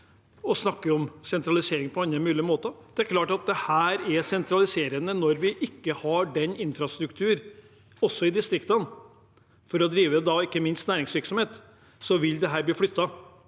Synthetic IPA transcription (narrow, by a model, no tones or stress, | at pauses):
ɔsnɑkːəɔmsɛnt̪ɾɑlɪseːɾɪŋpʰɔɑnːəmʉːlɪəmoːt̪əd̪̥ɛæɾkʰlɑːʈɑt̪̚d̪ɛhæːɾæsɛnt̪ʰɾɑlɪseːɾənənɔɾʋɪʔɪkːəhɑɖɛnɪnfɾɑst̪ɾʉkt̪ʰʉːɾ | ɔsːɔɪd̪ɪst̪ɾɪkt̪ən | fɔɾɔd̪ɾiːʋəd̪ɑɪkːəmɪnst̪næːɾɪŋsʋɪɾksɔmheːt̪ | sɔʋɪld̪ɛɦæːɾb̪liːflʏt̪ːɑ